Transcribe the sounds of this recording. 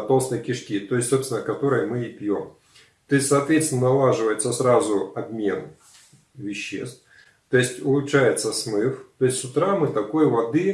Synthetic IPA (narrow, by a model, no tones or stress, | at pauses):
t̪olˠsnəjkʲɪʂkʲit̪o̞ɪsʲtʲsopsʲɪnəkɐt̪o̞ɾəjmɨipʲjo̞̰m | t̪oɪsʲtʲsɐːt̪vʲet̪st̪ʲɪnənɐlˠaʐɨvəjɪt̪səsɾazʊɐbmʲe̞n | vʲɪɕːḛst̪f | t̪o̞ɪsʲtʲʊlˠʊʂæjɪt̪səsmɨft̪o̞ɪsʲsʊt̪ɾamɨt̪ɐko̞jvɐd̪ɨ